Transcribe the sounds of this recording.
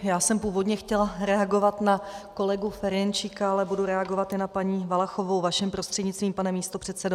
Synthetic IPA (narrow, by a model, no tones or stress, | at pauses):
jaːsɛmpuːvo̞dɲɛxcɛlɾɛaɡo̞vat̪nako̞lɛɡufɛɾɛnt͡ʃɪkaalɛbuduɾɛaɡo̞vat̪ɪnapaɲiːvalaxovowvaʃɛmpɾost̪r̥ɛdɲɪt͡st̪viːmpanɛmiːst̪o̞pr̝̥ɛt̪t͡sɛdo